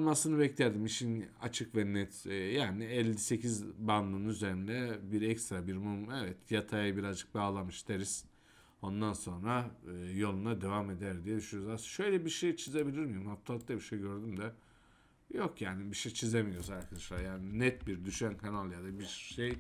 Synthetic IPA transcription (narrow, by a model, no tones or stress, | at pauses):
nmasɯnɯbɛclʲæɾd̪imit͡ʃʰina̰t͡ʃʰɯkvɛnɛt̪ːjaːniɛlʲːise̞cʰizband̪ˠɯnnyze̞ɾind̪ɛbiɾɛcst̪ɾabiɾmumevɛt̪ʰjat̪ʰajbiɾazd͡ʒɯk̚baːlˠamɯʃd̪ʰeɾiz̥ | o̞nd̪anso̞nɾaɯːjo̞lˠunad̪e̞vame̞d̪æɾd̪ijɛd̪yʃynjoɾuzasʃø̞jlʲɛbiɾʃejt͡ʃʰizebilʲiɾmijumhaft̪ʰalˠːɯklˠabiɾʃejɟø̞ɾd̪ymd̪ɛ | jokjaːnibiʃejt͡ʃʰizemijo̞ɾuzaɾkʰad̪aʃlˠaɾjaːninɛt̪̚biɾd̪yʃænkʰanalˠjad̪abiɾʃej